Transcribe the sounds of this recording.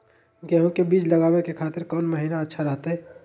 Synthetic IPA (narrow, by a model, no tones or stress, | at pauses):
ɡɛɦũkebiːd͡ʒlɐɡaːwekekʰaːt̪ɪɾkɔːnmɐɦiːnaɐtːʃʰaɾɐɦt̪aɦɛː